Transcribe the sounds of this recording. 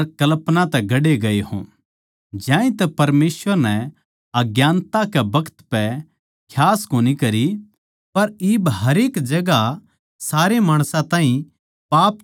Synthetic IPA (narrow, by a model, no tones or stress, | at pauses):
ɾkɐlpnãt̪ɛɡɐɽeɡɐeɦõ̰ | d͡ʒjãːĩt̪ɛpɐɾmeːsʋəɾnɛ | ɐɡjãːnt̪akɛbɐkʰə̥t̪pɛ | kʰjaːskoːnikɐɾi | pɐɾiːbɦɐɾeːkd͡ʒɐɡa | saːɾemaːɽ̃sãt̪ãːɦĩ | paːp